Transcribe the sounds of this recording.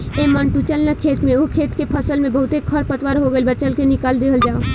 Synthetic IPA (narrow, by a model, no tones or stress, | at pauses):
eːmə̃nʈut͡ʃəlnəkʰeːt̪mẽʊkʰeːt̪kepʰəsəlmẽbɐɦʊt̪ekʰɐɾpət̪wəɾɦoɡəibɐt͡ʃəlkenɪkaːld̪eːɦəld͡ʒaːõ